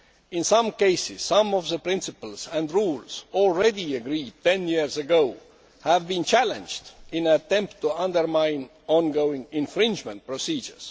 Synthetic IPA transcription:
ɪ̃nsʌ̃mkeɪsɪz̥sʌ̃mɔvðəpɹɪ̃nsɪpəl̩sæ̃ndɹuːlz̥ɔlˠɹediəɡɹiːd̚t̪ʰẽnjiɹzəɡoʊ | hævbĩnt͡ʃʰælə̃nd͡ʒdɪ̃nət̪ɛ̃mptʰːuʌ̃ndə˞mãɪ̃n | ɔ̃nɡoʊɪ̃ŋɪ̃nfɹɪ̃nd͡ʒmə̃nt̚pɹosiːd͡ʒə̰˞s

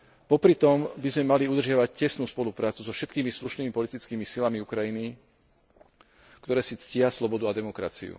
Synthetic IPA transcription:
pɔpɾit̪ɔmbizmɛmaliud̪r̩ʒɪaʋaccɛsnuːspɔlupɾaːt͡suzɔfʃɛt̪kiːmisluʃniːmipɔlit̪it͡skiːmisilamiukɾajini | kt̪ɔɾɛːsit͡scɪaslɔbɔd̪uad̪ɛmɔkɾa̰t͡sḭṵ

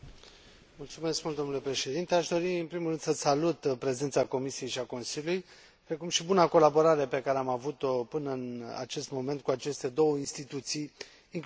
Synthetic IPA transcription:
mult̪sume̞skmult̪d̪o̞nule̞pɾe̞ʃe̞d̪int̪e̞aʃd̪o̞ɾiɨnpɾimulrɨnd̪səsalut̪pɾe̞ze̞nt̪sako̞misije̞jʃiako̞nsiljuluj | pɾe̞kumʃibunako̞labo̞ɾaɾe̞pe̞kaɾeamavut̪o̞pɨnəɨna̰t͡ʃe̞st̪mo̞me̞nt̪̚kuat͡ʃe̞st̪e̞d̪o̞wəinst̪it̪ut̪sijː | ŋk

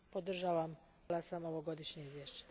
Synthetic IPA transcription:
pod̪r̩ʒaːʋam | lasamoʋoɡo̞d̪iʃɲeizʋjeʃt͡ɕe̥

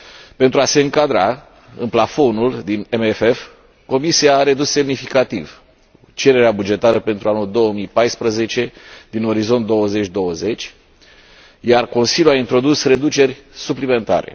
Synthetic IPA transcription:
pent̪ɾuase̞ɨŋkad̪ɾa | ɨnplafo̞nuld̪inemefef | ko̞misiaːɾe̞d̪usːe̞mnifikat̪iv | t͡ʃe̞ɾe̞ɾeabud͡ʒe̞t̪aɾəpe̞nt̪ɾʔuanuld̪o̞wəmijpajspɾəze̞t͡ʃe̞d̪̥ino̞ɾizo̞nt̪d̪o̞wəze̞t͡ʃʲd̪o̞wəze̞t͡ʃʲ | jarko̞nsiljuaint̪ɾo̞d̪usre̞d̪ut͡ʃe̞rʲsuplime̞nt̪a̰ɾe̞̰

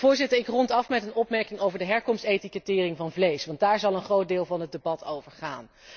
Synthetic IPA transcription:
vʊːɹzɪtəɹɪkrɔntɑfmɛtənɔpmɛɹkɪŋowvəɹdəɦɛɹkɔmstejtikətɪːrɪŋvɑnvlejsʋɑnt̚daːɹzɑlˠənχrowt̚dɪːlˠvɑnɦət̚dəbɑtowvəɹχaːn

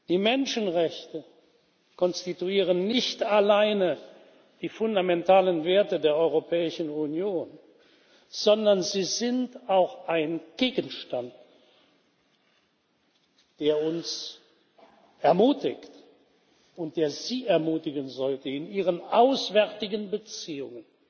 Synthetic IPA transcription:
d̥iːmɛnʃənʁɛçtə | kʰɔnstituiːʁənːɪçtalaɪnə | d̥iːfʊndamɛntaːlənveːɐtədeːɐʔɔʏʁopʰɛːɪʃn̩unjoːn | z̥ɔndɐnziːzɪntaʊxʔaɪnɡ̥eːɡənʃtant | d̥eːɐʊns | ʔɛɐmuːtɪçt | ʊnt̚d̥eːɐziːʔɛɐmuːtɪɡənzɔltəɪnʔiːʁ̞ənʔaʊsv̥ɛɐtɪɡənbət͡siːʊ̰ŋən

